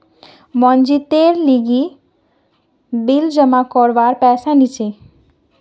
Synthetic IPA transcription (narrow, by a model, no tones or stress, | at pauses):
mɔnd͡ʑit̪eɾliɡi | bild͡ʑəmakɔɾbaɾpɛsanit͡ɕʰe